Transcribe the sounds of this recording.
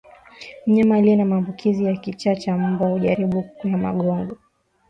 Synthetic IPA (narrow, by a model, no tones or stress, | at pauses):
m̩ɲamaliɛnamaːmbukʰizijakit͡ʃat͡ʃabahuʄaɾiɓukujama̰ɠɔŋɡɔ